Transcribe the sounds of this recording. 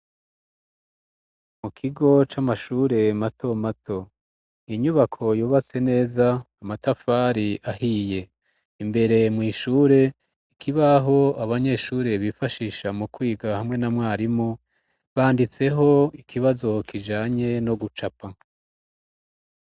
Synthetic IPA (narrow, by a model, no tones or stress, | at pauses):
mukʰiɡo̞t͡ʃamaʃuːɾe̞matʰo̞mato̞ | iɲuβakʰo̞juːβat͡se̞ne̞ːzaː | matafaːɾiʔahije̞ | imbe̞ɾe̞mŋiːʃuɾe̞ | ikʰiβaɦo̞aβaɲe̞ːʃuːɾe̞βifaʃiːʃamukwiːɡahamŋe̞namŋwaːɾimo | βaːndit͡se̞ɦo̞ikʰiβazo̞kiʒaːɲe̞no̞ɡut͡ʃapa